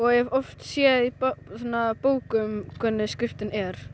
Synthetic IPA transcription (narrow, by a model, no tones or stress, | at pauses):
ɔɣɛɣɛvɔft̪sjɛðipsanːapoːwkʏmkʰvɛnɪskɾɪft̪ɪnɛɾ̥